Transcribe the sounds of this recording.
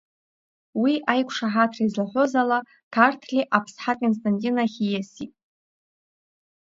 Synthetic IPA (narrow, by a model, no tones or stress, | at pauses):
wiʔajkʷʰʂaħatʰrizlaħʷozala | kʰartʰlʲiʔapʰsħakʼons̬tʼantʼinaχʲijasitʼ